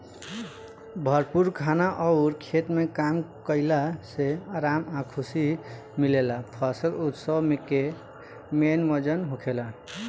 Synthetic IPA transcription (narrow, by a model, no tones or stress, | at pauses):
bʱəɾpuɾkʰanaʔɔʊɾkʰet̪mekamkəɪlaseaɾamakʰusi | milelapʰəsəlut̪səbmeke | menməd͡ʒənɦukʰela